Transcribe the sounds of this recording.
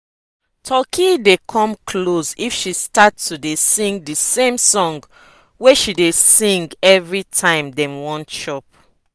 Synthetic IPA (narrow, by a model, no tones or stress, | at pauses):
tʰɔkʰidekʰɔ̃mkʰlosifʃistatːudesĩŋɡ̚dəsẽmsɔ̃ŋɡ | weʃidesĩŋɡɛvɹitʰãɪ̃mdɛ̃mwɔ̃nʃɔp